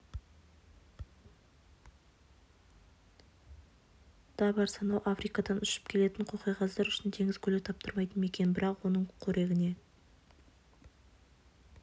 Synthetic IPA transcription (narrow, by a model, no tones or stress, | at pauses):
d̪̥ɑbɑɾsɑnɑwʔafɾijkɑd̪ɑnʏʃɪ̥p̚kʲʰe̞le̞t̪ɪɴqʰoqɑjʁɑzd̪ɑɾʏʃɪnt̪ʰe̞ŋʲɪzkʲʰɵle̞kt̪ʰɑp̚t̪əɾmɑjt̪ənmekʲe̞nbɪɾɑqwo̞nəɴkʲʰɵɾʔe̞ɡʲɪne̞